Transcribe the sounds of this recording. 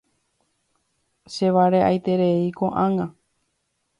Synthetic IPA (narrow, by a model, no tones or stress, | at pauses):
ʃe̞ʋaɾe̞ʔajt̪e̞ɾeikoʔãŋã